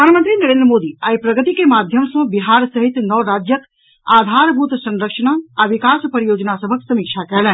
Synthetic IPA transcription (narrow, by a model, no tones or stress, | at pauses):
ɾədʱanmənt̪ɾinəɾẽnd̪ɾəmod̪iaipɾəɡət̪ikemad̪ʱjəmsə̃biɦaɾsəɦit̪nəʋɾad͡ʒjək | ad̪ʱaɾbʱut̪sə̃nɾəkʃənaːʋikaspəɾijod͡ʒnasəbʱəksəmik̚t͡ʃʰakɛlɛn